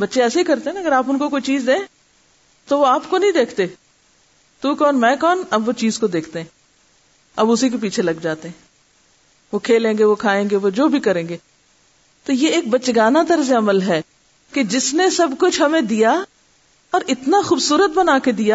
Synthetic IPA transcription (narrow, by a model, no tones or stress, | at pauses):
bɐtːʃeɛːseɦikɐɾt̪eɦɛ̃nɐɡəɾaːpʊnkokoːit͡ʃiːzd̪ẽ | t̪oʋoaːpkonɐɦĩd̪eːkʰt̪eː | t̪uːkɔːnmɛ̃ːkɔːnɐbʋot͡ʃiːzkod̪eːkʰt̪eɦɛ̃ː | ɐbʊsik̬ep̬iːt͡ʃʰelɐɡd͡ʒaːt̪eɦɛ̃ː | ʋoːkʰeːlẽːŋɡeʋokʰaːẽːŋɡeʋod͡ʒoːbʱikɐɾẽːŋɡeː | t̪ojeeːk̚bətːt͡ʃɡaːnat̪əɾzeɐməlɦɛː | ked͡ʒɪsnesɐbkʊt͡ʃʰɦɐmẽd̪ija | ɔːɾɪt̪naxuːbsuːɾət̪̚bənaːked̪ijaː